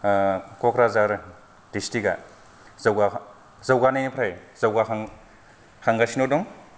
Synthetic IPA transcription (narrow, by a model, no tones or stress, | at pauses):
kɔkɾazaɾ | d̥istiɡa | zawɡa | zawɡanajnipʰɾajz̥awɡa | haŋɡasinodɔŋ